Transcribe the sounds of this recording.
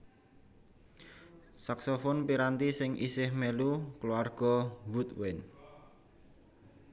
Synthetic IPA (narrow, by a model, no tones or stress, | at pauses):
saksofɔnpiɾant̪isɪŋʔḭsɪhmɛlukluarɡ̥ɔ̤wut̪̚wɪn